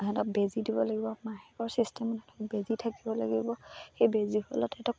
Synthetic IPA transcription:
ɦɛtɔk̚bezidibɔlaɡibɔmaɦɛkɔɹsistɛmɔnɛtɔbezitʰakibɔla̰ɡibɔxejbezihɔlɔtɛtɔk

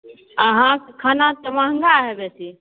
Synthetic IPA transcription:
əɦãkʰənat̪əmãŋɡaɦebɛsʰi

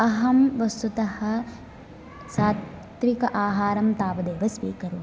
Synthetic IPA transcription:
ɐɦɐmʋɐst̪ut̪ɐhɐ̆ | saː | t̪ʋikɐʔaːɦaːɾɐmt̪aːʋɐd̪eːʋɐsʋḭːkɐɾu

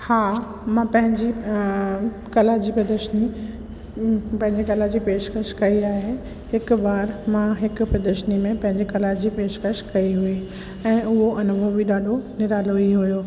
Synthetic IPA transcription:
haː | mãpɐ̃ɦɪ̃ɲd͡ʑi | kɐlad͡ʑiːpɾɐd̪əʃni | pɐ̃ɦɪ̃ɲd͡ʑekɐlad͡ʑipeːʃkəʃkɐiaːɦe | hɪkbaːɾmãɦɪk̆pɾɐd̪əʃnimẽpɐ̃ɦɪ̃ɲd͡ʑekɐlad͡ʑiːpeːʃkəɾʃkɐiɦʊi | ɛ̃ːʊɦoʔɐnʊbʱəbiɗaːɖʱonɪɾaːloiɦʊjoː

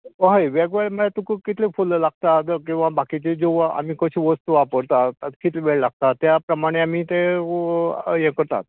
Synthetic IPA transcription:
ɦajʋaɡʋeɭməlat̪ukəkit̪ʰlefolːəlaɡ̚t̪at̪kĩw̃ʋabakit͡ɕed͡zoa̰miːkəɕiʋəst̪uʋapəɾt̪aat̪kit̪leʋeɭlaɡ̚t̪at̪japɾəmaɽ̃eamiːt̪e | jekəɾt̪a̰t̪̚

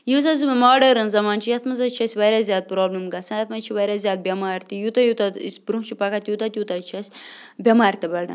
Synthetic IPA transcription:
juːzɐzumɐmaːɖɐɾɐnzɐmaːnt͡ʃʰijɐt̪ʰmɐzɐt͡ʃʰɐsʲʋɐɾʲaːzʲjaːd̪̚pɾoːblɐmɡɐsɐ̃njɐt̪ʰmɐt͡ʃʰiʋɐɾʲaːzʲjaːd̪̚bʲɐmaːɾʲt̪ijut̪ɐjut̪ɐt̪isʲbɾumt͡ʃʰipɐkɐt̪jut̪ɐt̪ʲjuːt̪at͡ʃʰɐsʲ | bʲɐmaːɾʲt̪ɐbɐɖɐ̰

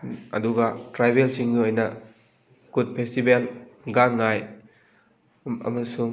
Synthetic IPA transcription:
ɐ̰duɡɐtɾajbelsiŋɡiojnɐ | kud̚pʰestibelɡaŋːaj | ɐ̰mɐsuŋ

